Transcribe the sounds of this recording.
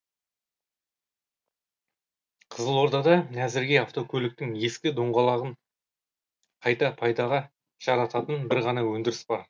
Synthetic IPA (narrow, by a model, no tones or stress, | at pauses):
qʰəzəlˠwo̞ɾd̪ɑd̪ɑnæzɪɾɡʲe̞ɑft̪o̞kʲʰɵlɪk̚t̪ɪŋe̞skʲɪd̪o̞ɴʁɑlˠɑʁəɴ | qʰɑjt̪ɑpʰɑjd̪ɑʁɑ | ʒ̥ɑɾɑt̪ɑt̪ənbɪɾʁɑnɑwɵnd̪ɪɾɪsbɑɾ